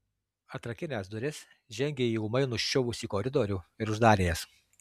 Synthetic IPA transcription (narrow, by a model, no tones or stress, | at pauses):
ɐt̪ɾɐkʲɪnʲɛsd̪ʊɾʲɪs | ʒʲɛŋʲɡʲeːiːʊmɐɪnʊʃʲt͡ʃʲʊʋʊsʲiːkɔɾʲɪd̪oɾʲuːɪɾʊʒd̪ɑːɾʲeːjɛs